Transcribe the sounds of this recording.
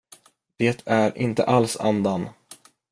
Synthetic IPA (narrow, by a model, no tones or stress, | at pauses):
d̪̥eːt̪ʰæɾʔɪ̰nt̪ə̰ʔalsa̰nd̪an